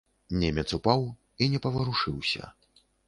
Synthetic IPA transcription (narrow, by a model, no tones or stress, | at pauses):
nʲɛmʲɛt̪supaw | inʲɛpɐvɐɾuʂɨwsʲɐ̰